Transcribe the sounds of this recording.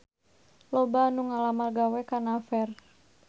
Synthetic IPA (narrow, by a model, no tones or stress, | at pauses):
lɔbanuŋalamarɡawɛkanafɛr